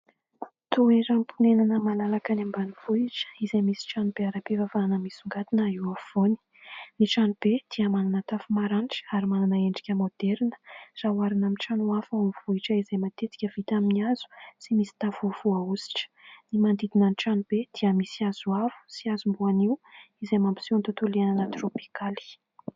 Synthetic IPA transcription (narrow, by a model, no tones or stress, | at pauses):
t̪ueɾampʰunenanəmalalakənambanivuiʈ͡ʂə̥izemisi̥ʈ͡ʂanub̥eaɾapivavaːnəmisuŋɡat̪inəiwavoni̥ | niʈ͡ʂanub̥ed̪̥iəmananət̪afumaɾanʈ͡ʂi̥aɾimananəeɳɖ͡ʐi̥kʲəmod̪̥ɛɾnə̥zawaɾinaminʈ͡ʂanuafaomiv̥uiʈ͡ʂəizejmat̪et̪i̥kʲəv̥it̪aminiazu̥simisi̥t̪afuv̥uausi̥ʈ͡ʂə̥nimand̪id̪inanʈ͡ʂanub̥ed̪̥iamisiaz̥uavu̥siazumbuaniuizemampi̥sont̪ut̪uleananət̪ropi̥kali̥